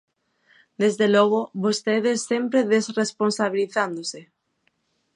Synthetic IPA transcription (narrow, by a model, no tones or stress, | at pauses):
d̪ezðelɔɣ̞oβost̪eðesːempɾeðesresponsaβiliθand̪ose